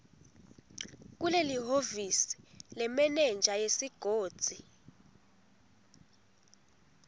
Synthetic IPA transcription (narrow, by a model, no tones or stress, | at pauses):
k̬uleliɦovisi̥lɛmɛnɛnd͡ʒʱajesiɡ̥ʱoːd̥z̥ʱi